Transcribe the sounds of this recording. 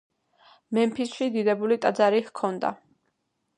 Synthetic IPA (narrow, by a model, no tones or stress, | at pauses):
mɛmpʰisʃid̪id̪ɛbulit̪ʼad̪zaɾihkʰɔnd̪a̰